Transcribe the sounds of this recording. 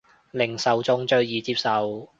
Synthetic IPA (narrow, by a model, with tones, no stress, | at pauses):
lɪ˨˩ŋsɐ˨˧wt͡sʊ˧˥ŋt͡ʃɵ˧ɥjiː˨t͡siː˧˥p̚sɐ˨w